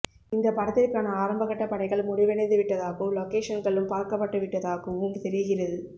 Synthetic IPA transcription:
ɪnd̪ɐpɐɾɐt̪ːɪrkaːnɐaːɾɐmbɐɣɐʈːɐpɐɳɐɪɣɐɭmʊɽɪʋɛɳɐnd̪ɯʋɪʈːɐðaːɣɯmlɔkeːʂɐnɡɐɭɯmpaːɾkɐpːɐʈːɯʋɪʈːɐðaːɣɯmʊŋɡɯt̪ɛɾɪɣɪrɐðɯ

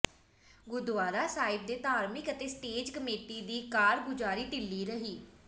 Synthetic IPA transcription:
ɡʊd̪ʋaːɾaːsaːɪb̚d̪eːt̪aːɾmɪkət̪eːsʈeːd͡ʒkəmeːʈiːd̪iːkaːɾɡʊd͡ʒaːɾiːʈɪlːiːɾəɦiː

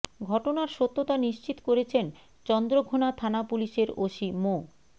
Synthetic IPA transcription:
ɡʱɔʈonaɾʃot̪ːot̪aniʃt͡ɕit̪okoɾet͡ɕʰen | t͡ɕɔnd̪ɾoɡʱonat̪ʰanapuliʃeɾoʃimo

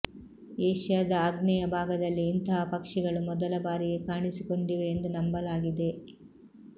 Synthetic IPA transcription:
eːʂjaːd̪ɐaːɡnɛjɐbʱaːɡɐd̪ɐlːiːnt̪ɐɦɐpɐkʂiɡɐɭumɔd̪ɐlɐbaːɾiɡe̞kaːɳisiko̞ɳɖiʋe̞ːnd̪unɐmbɐlaːɡid̪e̞

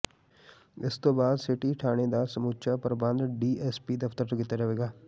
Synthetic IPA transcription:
ɪst̪õːbaːd̪sɪʈiʈʰaːñed̪asəmuːt͡ʃapəɾbə̃nd̪ɖiːɛːspiːd̪əft̪əɾt̪əkit̪ad͡ʒəʋeːɡaː

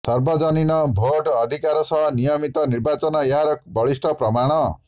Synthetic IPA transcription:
sʌrbʌd͡zʌninʌbʱoʈʌd̪ʱikaɾɔsʌɦnijʌmit̪ʌnirbat͡sʌnʌjɦaɾʌkbʌɭisʈʰʌprʌmaɽ̃ʌ

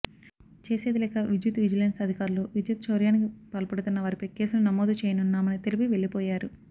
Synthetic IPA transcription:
t͡ʃe̞ːseːd̪ilɛːkɐʋid͡ʒjut̪ʋid͡ʒɐlensɐd̪ʱikaːɾuloːʋid͡ʒjut̪̚t͡ʃoːɾjaːnikipɐlɐpɐɽut̪unːɐʋaːɾipɐke̞ːsulunɐmoːd̪ut͡ʃeːjɐnunːaːmɐnɐt̪elipiʋe̞ɭːipoːjaːɾu

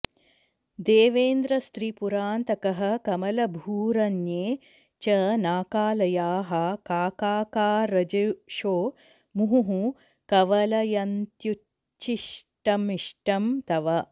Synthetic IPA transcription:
d̪eːʋeːnd̪ɾɐst̪ɾipuɾaːnt̪ɐkɐɦɐkɐmɐlɐbʱuːɾɐnjeː | t͡ʃɐnaːkaːlɐjaːɦɐkaːkaːkaːɾɐd͡ʒɐʃoː | muɦuɦũ | kɐʋɐlɐjɐnt̪ju | t͡ʃiʂʈɐmiʂʈɐmt̪ɐʋɐ

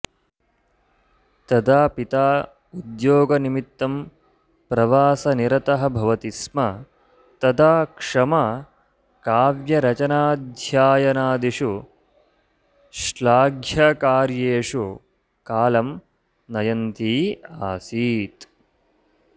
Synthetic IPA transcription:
t̪ɐd̪aːpit̪aː | ud̪joːɡɐnimit̪ːɐm | pɾɐʋaːsɐniɾɐt̪ɐɦɐ̆bʱɐʋɐt̪ismɐ | t̪ɐd̪aːkʂɐmɐ | kaːʋjɐɾɐt͡ʃɐnaːd̪ʱjaːjɐnaːd̪iʂu | ʃlaːɡʱjɐkaːɾjeːʂu | kaːlɐm | nɐjɐnt̪iːaːsiːt̪

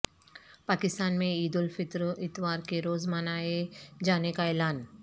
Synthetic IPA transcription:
paːkɪst̪aːnmẽiːd̪ʊlfɪt̪ɾɪt̪waːɾkeɾoːzmənaːed͡ʒaːnekaɛːlaːn

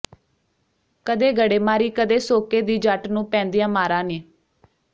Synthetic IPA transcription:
kəd̪eːɡəɽeːmaːɾiːkəd̪eːsoːkeːd̪iːd͡ʒəʈnũːpɛ̃ːnd̪ijãːmaːɾãːneː

